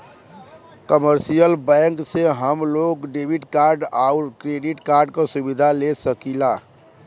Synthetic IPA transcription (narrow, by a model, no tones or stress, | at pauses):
kəməɾsijəlbɛ̃ŋkseɦəmloɡɖebʱiʈkaɾɖaʊɾkɾeɖiʈkaɾɖkasubid̪ʱalesəkilaː